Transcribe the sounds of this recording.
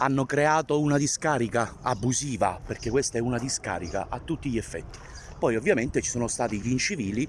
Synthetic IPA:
anːokɾeaːt̪ounad̪iskaːɾikaabːusiːvaperk̟e̥kːwest̪aɛunad̪iska̰ːɾika̰ʔat̪ːut̪ːiʎɛfːɛ̰t̪ːi̥ | pɔjovːjament̪et͡ʃisoːnost̪aːt̪iivint͡ʃiviːli

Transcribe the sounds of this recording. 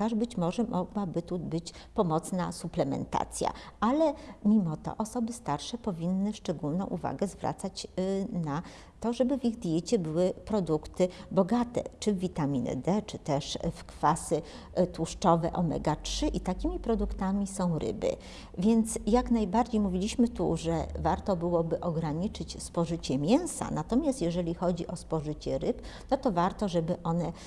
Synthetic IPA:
aʐbɘt͡ɕmɔʐɛmʔɔɡwabɘt̪ubɘt͡ɕ | pɔmɔt̪snasuplɛmɛ̰nt̪a̰t̪sʲja̰alɛmʲimɔt̪ɔ̰ʔɔsɔbɘst̪aɾʂɛpɔvʲinːɘʂt͡ʂɛɡulnɔ̰̃w̃ʔuva̰ɡɛzvɾʔa̰t̪sat͡ɕna | t̪ɔʐɛbɘvʲiɣd̪ʲjɛt͡ɕɛbɘwɘpɾɔd̪ukt̪ɘbɔɡat̪ɛ̰t͡ʂɘvːʲit̪amʲinɛ̰d̪ɛt͡ʂɘt̪ɛʂfkfasɘ | t̪wuʂt͡ʂɔvɛʔɔmɛ̰ɡatʂɘʔit̪akʲimʲipɾɔd̪ukt̪amʲisɔ̃w̃ɾɘ̰bɘ̰ | vʲjɛnt̪sjaknajbaɾd͡ʑejmuvʲilʲiɕmɘt̪ṵʐɛ̰vaɾt̪ɔbɘwɔbɘʔɔɡɾaɲit͡ʂɘt͡ɕspɔʐɘt͡ɕɛmʲjɛw̃sa̰nat̪ɔmʲjast̪jɛʐɛlʲixɔd͡ʑiʔɔspɔʐɘt͡ɕɛɾɘpnɔt̪ɔvaɾt̪ɔʐɛbɘʔɔnɛ

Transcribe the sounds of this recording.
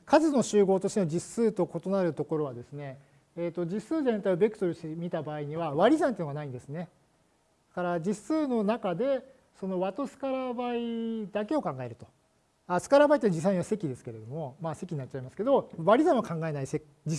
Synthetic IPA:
kʰazɨno̞ɕɨːɡo̞ːt̪oɕit̪eod͡ʑisɨːt̪o̞ko̞t̪o̞naɾɯ̟t̪o̞ko̞ɾo̞β̞ad̪e̞sɨne̞ː | t̪ːo̞d͡ʑisɨːzẽ̞nt̪aiobe̞kɯ̟t̪oɾɯ̟ɕemʲit̪abaːiɲ̟iβaβaɾʲizãnt̪eiɯnoanaĩnd̪e̞sɨne̞ | d̪kaɾad͡ʑisɨːno̞nakad̪e̞ | so̞no̞βat̪o̞sɨ̥kaɾabaid̪ake̞o̞kãŋɡae̞ɾɯ̟t̪o̞̥ | asɨ̥kaɾabait̪ːed͡ʑis̬ːaiɲ̟iβase̞kʲid̪e̞sɨ̥ke̞ɾe̞d̪o̞mo̞mase̞kʲiɲinatːt͡ɕːaimasɨ̥ke̞d̪o̞βaɾʲizãɰ̃βakãŋɡae̞naise | d͡ʑi

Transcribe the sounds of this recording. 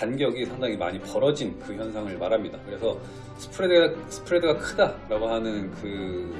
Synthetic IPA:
tanɡjʌɡisʰaŋdaŋima̰ɲipʌɾʌd͡ʑinkɯçjʌnsʰaŋɯɭmaɾamɲidakɯɾe̞sʰʌ | sʰɯ̥pʰɯɾedɡasʰɯ̥pʰɯɾedɯɡakʰɯdaɾaɡoɦanɯnkɯ

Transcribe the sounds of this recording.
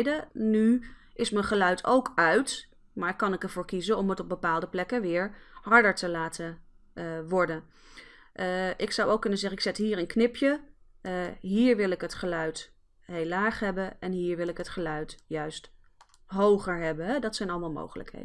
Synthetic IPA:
dənyʔɪsməχəlœɥtʰo̰wkʰœɥt | maːɹkɑnɪkɛɹvʊːɹkizəɔmətɔb̚bəpaːlˠdəplɛkəʋɪːɹɦɑɹdəɹtəlaːtə | ʋɔɹdən | ʔɪksɑwowkːɵnənzɛχəɪksɪtɦiːɾənknɪpʰjə | ɦiːɹʋɪlˠɪkɦətχəlœɥt | ɦejlaːχɦɛbənɛnɦiːɹʋɪlˠɪkɦətχəlœɥtjœɥst | ɦowχəɹɦɛbənɦɛdɑtsɛjnɑlˠəmalˠmo̰wχələ̰kɦḛjd

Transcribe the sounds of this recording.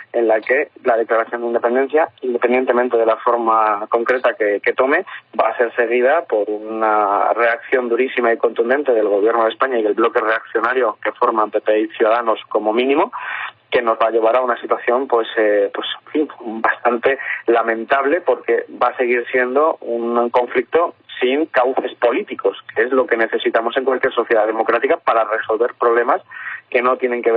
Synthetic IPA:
e̞nlake̞lað̞e̞klaɾaθjo̞nd̪ind̪epe̞nd̪e̞n̟θjaind̪epend̪jent̪e̞mẽnt̪e̞ðe̞lafo̞ɾmako̞ŋkɾe̞t̪akeke̞t̪o̞me̞baːse̞ɾse̞ɣ̞ið̞apo̞ɾunare̞akθjo̞nd̪uɾisimaiko̞nt̪und̪e̞nt̪e̞ðe̞lɣ̞o̞β̞jeɾno̞ð̞espaɲaiðe̞lβlo̞ke̞re̞akθjo̞naɾjo̞ke̞fo̞ɾmãmpe̞pejθjuðaðano̞sko̞mo̞mĩnĩmo̞ke̞no̞zβaʎe̞β̞aɾaunasit̪waθjo̞mpwe̞sepwe̞sfimbast̪ant̪e̞lamẽ̞nt̪aβle̞po̞ɾke̞base̞ɣ̞iɾsje̞nd̪o̞unko̞ɱflik̚t̪o̞siŋkawθe̞spo̞lit̪iko̞skeezlo̞ke̞ne̞θe̞sit̪amo̞se̞ŋkwalkjeɾso̞θjeðaðe̞mo̞kɾat̪ikapaɾare̞so̞lβe̞ɾpɾo̞βle̞maske̞no̞t̪je̞ne̞ŋke̞βe

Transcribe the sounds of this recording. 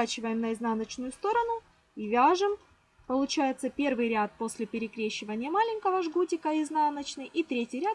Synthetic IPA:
at͡ɕɪvəjɪmnəɪznanət͡ɕnʊjʊst̪o̞ɾənʊ | ivʲaʐɨm | pəlˠʊt͡ɕæjɪt̪səpʲe̞rvɨjɾʲat̪̚po̞sʲlʲɪpʲɪɾʲɪkɾʲeɕːɪvənʲɪjəmalʲɪnʲkəvəʐɡutʲɪkəɪznanət͡ɕnɨjʔit̪ɾʲetʲɪjɾʲat̪

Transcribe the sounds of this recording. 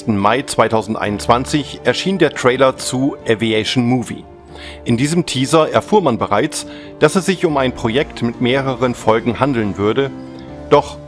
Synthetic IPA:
stn̩maɪt͡sv̥aɪtʰaʊzn̩tʔa̰ɪnʊntt͡sv̥ant͡sɪçʔɛɐʃiːndeːɐtʁ̥ɛɪlɐt͡suʔɛviɛʃnmuːvḭ | ʔɪndiːzəmtʰiːzɐɛɐfuːɐmanbəʁaɪt͡s | d̥asɛsz̥ɪçʊmaɪnpʁ̥ojɛktmɪtmeːʁəʁ̞ənfɔlɡŋ̩handl̩nvʏɐdə | d̥ɔχ

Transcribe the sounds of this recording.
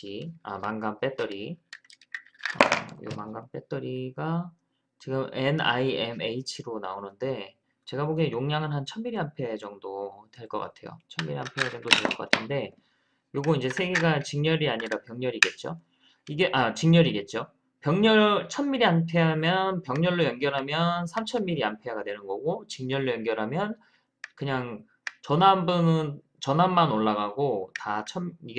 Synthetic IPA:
ia̰maŋɡamp͈e̞t͈ʌɾi | a̰maŋɡamp͈e̞t͈ʌɾiɡa | t͡ɕiɡɯme̞na̰iemeit͡ɕʰiɾona̰onɯnde̞ | t͡ɕe̞ɡaboɡejoŋɲaŋɯnɦant͡ɕʰʌmmiɾiɦampʰe̞d͡ʑʌŋdotwe̞ɭk͈ʌk͈a̰tʰe̞jo̰t͡ɕʰʌmːiɾiɦampʰe̞d͡ʑʌŋdotweɯɭk͈ʌk͈atʰɯnde̞ | joɡuind͡ʑe̞sʰe̞ɡeɡat͡ɕiŋɲʌɾiaɲiɾapjʌŋɲʌɾiɡe̞t̚t͡ɕ͈o̰ | iɡe̞ʔat͡ɕiŋɲʌɾiɡe̞t̚t͡ɕ͈o | pjʌŋɲʌɭt͡ɕʰʌmːiɾianpʰe̞ɦamjʌnpjʌŋɲʌɭːojʌnɡjʌɾɦamjʌnsʰamt͡ɕʰʌmːiɾiampʰeɦaɡadwe̞nɯnɡʌɡot͡ɕiŋɲʌɭːojʌŋɡjʌɾɦamjʌn | kɯɲaŋ | t͡ɕʌnambunɯn | t͡ɕʌnɦamːanoɭːaɣaɡotat͡ɕʰʌmiɡ

